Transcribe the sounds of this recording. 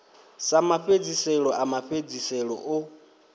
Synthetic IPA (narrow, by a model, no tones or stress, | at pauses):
samaɸed͡zisɛɺɔʔamaɸed͡zisɛɺɔ̰ʔʊ